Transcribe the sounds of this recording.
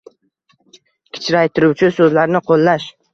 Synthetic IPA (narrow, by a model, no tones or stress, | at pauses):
kʲʰɪ̥t͡ʃʰɾajt̪ʰɪɾʊwt͡ʃʰɪsɵzlaɾnɪqʰolˠːaʃ